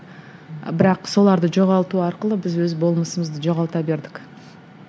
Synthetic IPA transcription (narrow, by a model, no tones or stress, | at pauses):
bɪɾɑqso̞lˠɑɾd̪əʒo̞ʁɑlˠt̪uɑɾqəlˠəbɪzwɵzbo̞lˠməsəməzd̪əʒo̞ʁɑlˠt̪ɑbe̞ɾd̪ɪk